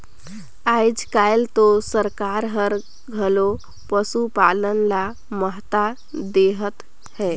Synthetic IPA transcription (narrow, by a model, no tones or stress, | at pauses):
ajd͡ʒkajlt̪osəɾkaɾɦəɾ | ɡʱəlo | pəsupalənla | məɦt̪a | d̪eɦət̪ | hɛ